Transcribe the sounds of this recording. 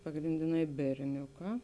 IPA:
pɐɡrʲɪnʲdʲɪˈnɐɪ bʲɛrʲˈnʲʊˌkɑː

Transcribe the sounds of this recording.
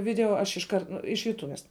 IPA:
ˈʋʲɪdʲɛoː ɐʃ ɪʃˈkɐrt ˈnʊ ɪʃ jʊˈtʊʋʲɛs

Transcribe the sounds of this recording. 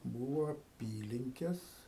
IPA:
ˈbuːʋoː ɐˈpʲiːlʲɪŋʲkʲɛs

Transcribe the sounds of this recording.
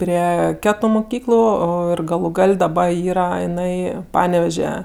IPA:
ˈpʲrʲiɛ ˈkʲæːtʊ mʊˈkʲiːklˠʊ ˈoː ɪr ɡɐlˠʊ ˈɡɐlʲ dɐˈbɐ ˈiːrɐ ɪˈnɐɪ ˈpɑːnʲɛʋʲɛʒʲɛ

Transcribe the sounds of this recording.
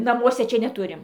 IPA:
nɐˈmuɔsʲɛ ˈt͡ʃʲɛ nʲɛˈtʊrʲɪm

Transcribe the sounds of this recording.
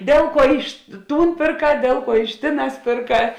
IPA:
ˈdʲeːlˠ ˌkuɔ ˈɪʃ ˈtuːn pʲeːrˈkɑː ˈdʲeːlˠ ˌkuɔ ɪʃ ˈtʲeːˌnɑːs pʲeːrˈkɑː

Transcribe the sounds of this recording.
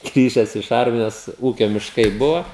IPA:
ˈɡrʲiːʒʲɛs ɪʃ ˈɐrʲmʲɪjoːs ˈuːkʲoː mʲɪʃˈkɐɪ ˈbʊʋoː

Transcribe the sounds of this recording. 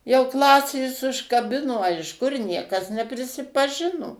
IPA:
jɛʊ ˈklˠɑːsʲeːs ʊʃkɐˈbʲɪnoː ɐ ɪʃ ˈkʊr ˈnʲiɛkɐs nʲɛpʲrʲɪsʲɪpɐˈʒʲɪnoː

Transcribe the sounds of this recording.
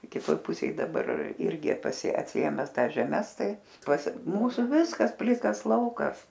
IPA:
kʲɪˈtoːj ˈpʊsʲeːj dɐˈbɐr ˈɪrʲɡʲɪ pɐˈsʲɪ ɐtʲsʲɪˈeːmʲɛs ˈtɑːs ʒʲɛˈmʲɛs ˈtɐɪ pɐs ˈmuːsʊ ˈʋʲɪskɐs ˈpʲlʲɪkɐs ˈlˠɐʊkɐs

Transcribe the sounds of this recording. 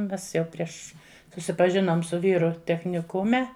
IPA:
ˈmʲɛs jɛʊ ˈpʲrʲiɛʃ sʊsʲɪpɐˈʒʲɪnoːm sʊ ˈʋʲiːrʊ tʲɛxʲnʲɪˈkʊmʲɛ

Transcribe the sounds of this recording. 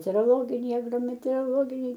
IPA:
mʲɛtʲɛoːroːˈlˠoːɡʲɪnʲɛɪ ɐɡroːmʲɛtʲɛoːroːˈlˠoːɡʲɪnʲɛɪ

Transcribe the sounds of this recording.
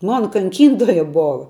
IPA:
ˈmoːnɐ kɐŋʲˈkʲiːntoːjɛ ˈboːʋɐ

